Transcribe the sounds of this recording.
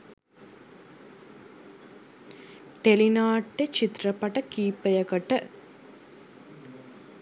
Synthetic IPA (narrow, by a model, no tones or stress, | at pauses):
ʈelinaːʈːet͡ʃit̪rəpɐʈəkiːpəjəkəʈə